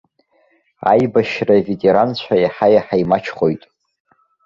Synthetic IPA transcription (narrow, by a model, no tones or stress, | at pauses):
a̰jbaʃravetʰʼe̞ɾant͡ɕʷʰajaħajaħajmat͡ʃʰχojtʼ